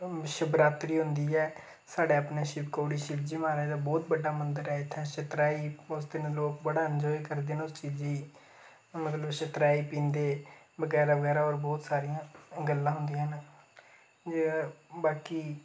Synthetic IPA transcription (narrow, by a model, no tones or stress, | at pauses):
ʃəbɾaːt̪ɾiːɦʊnd̪iːɛː | saːɖeːapneːʃɪpkoːɽiːʃɪpd͡ʒiːmaːɾɛeːd̪aːbɔːt̪bəɖːaːmənd̪əɾɛːɪt̪ʰːɛ̃ːʃət̪ɾaːiːʊsd̪ɪnẽloːkbəɽaːənd͡ʒɔːiːkəɾd̪eːnʊst͡ʃiːziː | mət̪ləbʃət̪ɾaːiːpĩːnd̪eː | bəɡɛːɾaʋəɡɛːɾaːɔːɾbɔːt̪saːɾɪjãːɡəlːãːɦʊnd̪ijãːn | baːkiː